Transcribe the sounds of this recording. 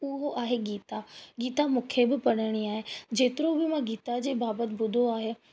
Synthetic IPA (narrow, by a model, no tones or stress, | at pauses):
ʊɦoʔaːɦeɡiːt̪aɡiːt̪amũkʰebɪpɐɽəɽ̃iaːɦed͡ʑeːt̪ɪɾobɪmãɡiːt̪ad͡ʑeːbaːbət̪ɪ̆bʊd̪ʱoaːɦe